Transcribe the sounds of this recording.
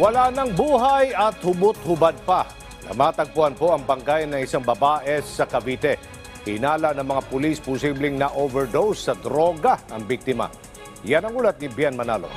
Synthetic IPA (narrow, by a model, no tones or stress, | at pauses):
wɐlanɐŋbuːɦajʔɐt̪hʊbʊt̪̚hʊbad̪̚pɐ | nɐ̰maːt̪ɐɡ̚pʊhɐnpoʔɐŋbɐŋɡajnːɐŋɪsaŋbɐbaːʔɛsɐkɐbiːt̪ɛ | hɪ̰naːlɐnɐŋmɐŋapʊlispʊsiblɪŋnɐʔovɛɹd̪owsːɐd̪ɾoɡɐʔɐŋbik̚t̪ɪmɐ̰ | janɐŋuːlɐt̪̚nɪbjɛnmɐna̰ːlo̰